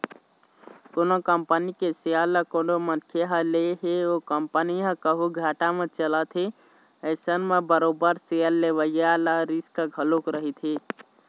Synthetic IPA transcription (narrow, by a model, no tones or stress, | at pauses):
konokəmpənikeseəlːəkoɳɖomənkʰeɦəleɦeokəmpəniɦə̃kəɦuɡʱaːʈamet͡ʃələt̪ʰɦe | əɪsənmebəɾoːbəɾseəlːeʋəjaləɾiskaɡʱəlokɾəɦit̪ʰɦe